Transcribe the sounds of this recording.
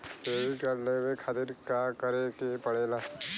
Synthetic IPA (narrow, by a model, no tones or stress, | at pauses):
teːbikəɾlewekʰaːt̪ɪɾkakəɾekepəɽeːla